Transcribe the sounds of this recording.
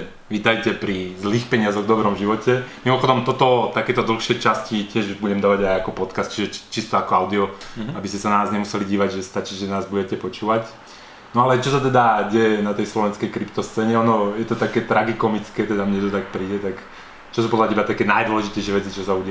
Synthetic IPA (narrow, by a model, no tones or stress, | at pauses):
ʋit̪ajcɛpɾizliːxpɛɲɪazɔɣd̪ɔbɾɔmʒiʋɔcɛmimɔxɔd̪ɔmt̪ɔt̪ɔt̪akɛːt̪ɔd̪l̩xʃɪɛt͡ʃascicɪɛʒbuɟɛmd̪aːʋaɟajakɔpɔt̪kast̪t͡ʃiʒɛt͡ʃist̪ɔakɔaʊd̪iɔabiscɛsanaaːzɲɛmusɛliɟiːʋaɟʒɛst̪at͡ʃiʒɛnaːzbuɟɛcɛpɔt͡ʃuːʋac | nɔalɛt͡ʃɔsat̪ɛd̪aɟɛjɛnat̪ɛjslɔʋɛnskɛjkɾipt̪ɔst͡sɛːɲɛɔnɔjɛt̪ɔt̪akɛːt̪ɾaɡikɔmit͡skɛːt̪ɛd̪amɲɛt̪ɔt̪ak̚pɾiːɟɛt̪ak | t͡ʃɔs̬upɔd̪latiɛbat̪akɛːnajd̪wɔlɛʒicɛɪjʃɛʋɛt͡sit͡ʃɔsauɟɪ